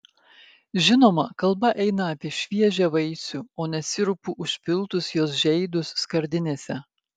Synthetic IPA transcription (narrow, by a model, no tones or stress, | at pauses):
ʒʲɪnoːmɐkɐlˠbɐʔɛɪnɐːpʲiɛʃʲʋʲiɛʒʲɛʋɐɪsʲuoːnʲɛsʲɪɾʊpuʔʊʃʲpʲɪlˠˑt̪ʊsjoːsʒʲɛɪd̪ʊsːkɐɾʲd̪ʲɪnʲeːsʲɛ